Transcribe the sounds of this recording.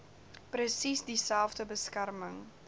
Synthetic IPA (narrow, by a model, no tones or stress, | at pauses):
pɾəsisdisælˠfdəbəskærməŋ